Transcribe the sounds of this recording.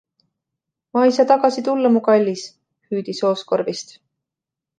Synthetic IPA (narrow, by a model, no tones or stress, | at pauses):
mɑjsɑt̪ɑɡ̥ɑsit̪ulːɑmukɑlʲːis | hyːd̪̥iso̞ːsko̞ɾvist̪